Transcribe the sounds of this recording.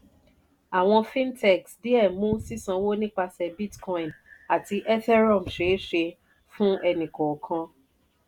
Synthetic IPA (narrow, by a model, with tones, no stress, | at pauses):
a˨w̃ɔ̃˧fĩ˦ntɛ˦˨ksdi˦ɛ˦˨mũ˨˦si˦sã˨˧wo˦nĩ˦k͡pa˧sɛ˧bi˦tkɔ˦ĩ˨na˨ti˧ʔɛ˦tɛ˦ɾɔ˦˨m̩ʃe˨˦ʃe˧ | fũ˦ɛ˧nĩ˨kɔ˨kʰã˧